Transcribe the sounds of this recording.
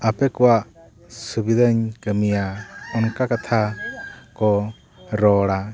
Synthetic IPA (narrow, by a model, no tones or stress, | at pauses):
apɛkɔwaʔ | subid̪ʱəɲkəmijaɔnkakat̪ʰa | kɔ | ɾɔɽa